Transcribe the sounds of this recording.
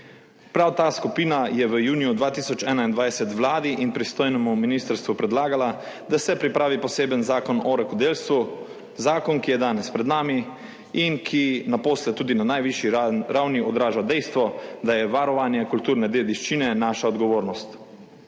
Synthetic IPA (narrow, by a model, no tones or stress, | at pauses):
pɾawt̪aːskupiːnajɛʋəjuːnijud̪ʋaːt̪iːsɔt͡ʃɛːnaind̪ʋajsɛt̪ʋlaːd̪iʔinpɾist̪oːjnɛmuminist̪əɾst̪ʋupɾɛd̪laːɡala | d̪asɛpɾipɾaːʋipɔseːbənzaːkɔnɔɾɛkɔd̪eːlst̪ʋu | zaːkɔnkijɛd̪aːnɛspɾɛd̪naːmi | inkʰinapoːslɛt̪uːd̪inanajʋiʃjiɾawniɔd̪ɾaːʒawd̪ɛjst̪ʋɔd̪ajɛʋaɾɔʋanjɛkult̪uːɾnɛd̪eːd̪iʃt͡ʃinɛnaːʃaɔd̪ɡɔʋoːɾnɔst̪